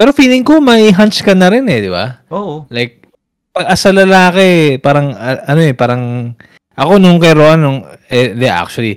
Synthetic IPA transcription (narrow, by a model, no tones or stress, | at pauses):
pɛːɾo̞fiːlɪŋkomɐʔiɦant͡ʃkɐnɐɾɪnɛd̪ɪba̰olajk̚ | pɐɡ̚ʔɐsɐlɐlaːkɛpaːɾɐŋɐɐno̞ɛpaːɾɐŋ | ʔɐko̞nʊŋkɐjɾoʔanːʊŋɛd̪ɛʔa̰k̚t͡ʃʊɐli